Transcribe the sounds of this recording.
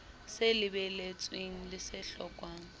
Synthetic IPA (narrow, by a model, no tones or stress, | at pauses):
selɪbɛlet͡sʼweŋ̩lɪsɪɬɔkʼwaːŋ̩